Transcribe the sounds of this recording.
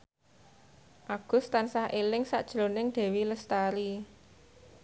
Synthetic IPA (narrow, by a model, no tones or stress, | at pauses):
ʔaɡ̥ʊ̤st̪ansahʔelɪŋsa̰ʔd̥ʒ̥ɾonɪŋd̪̥ɛ̤wiləst̪aɾi